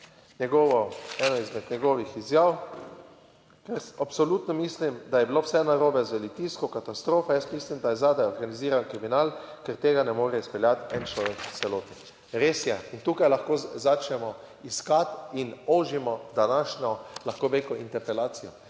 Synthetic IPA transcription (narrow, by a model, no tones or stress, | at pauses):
ɲɛɡɔːʋɔɛnɔizmɛd̪ɲɛɡɔːʋixizjaːw | kɛɾapsɔlut̪nɔmiːslimd̪ajɛbilowsɛnaɾoːbɛzʋɛlit̪iskɔkat̪ast̪ɾoːfajəst̪mislimd̪ajɛzaːd̪ajɔɾɡaniziːɾankɾiminalkɛɾt̪eːɡanɛmoːɾɛispɛljat̪ɛnt͡ʃlɔːʋɛksɛloːt̪i | ɾeːsjɛint̪uːkajlaxkoːzat͡ʃnɛmɔ | iskat̪inoʒimɔd̪anaʃɲɔlaxkoʋekɔint̪ɛɾpɛlaːt̪sijɔ